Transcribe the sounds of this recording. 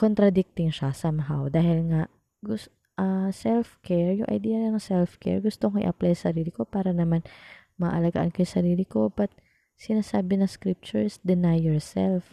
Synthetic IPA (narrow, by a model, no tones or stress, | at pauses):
kont̪ɾɐd̪ɪk̚t̪ɪŋʃɐsɐmɦawd̪aːhɪlŋaʔ | ɡʊ | ʔɐsɛlfkʰɛɹjʊŋʔɐ̰jd̪iːjɐnɐnɐŋsɛlfkɛ̰ɹɡʊst̪oŋoʔɪ̰ʔɐplajsɐɾiːlɪko̞paːɾɐnɐman | mɐʔɐlɐɡa̰ʔa̰nkojʊsɐɾiːlɪko̞bɐt̪̚ | sɪnaːsaːbɪnɐŋskɾip̚t͡ʃʊɹsd̪ɛnajɛɹsɛ̰lf